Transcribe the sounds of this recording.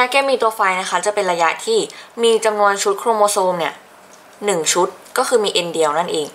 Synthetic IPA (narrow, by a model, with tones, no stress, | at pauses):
ɾaː˦˥kɛː˥˩miː˧t̪u˧fa˧jna˦˥kʰa˦˥t͡ɕa˨˩pe˧nɾa˧ja˦˥t̪ʰiː˥˩miː˧t͡ɕa˧mnu˧ənt͡ɕʰu˦˥t̪̚kʰɾoː˧moː˧soː˧mni˥˩ɐ | nɯ˨˩ŋt͡ɕʰu˦˥t̪̚kɔː˥˩kʰɯː˧miː˧ʔi˧ndi˧əwna˥˩nʔeː˨˧ŋ